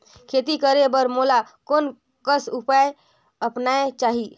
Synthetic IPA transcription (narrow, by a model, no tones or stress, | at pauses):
kʰet̪ikəɾebəɾmola | kon | kəsupae | əpnaet͡ʃaɦi